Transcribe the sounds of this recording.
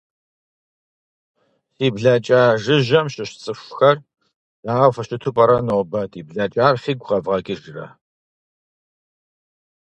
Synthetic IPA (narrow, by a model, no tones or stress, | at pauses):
siːbɮat͡ʃʼaːʒɨʒɐmɕɪɕt͡sʼɨfʷʊxɐr | jaːʁɐfɐɕɪtʰupʼɐɾɐnobɐtiːbɮɐt͡ʃʼaːrfiːɡʷʁɐvʁɐɡɪʒrɐ̰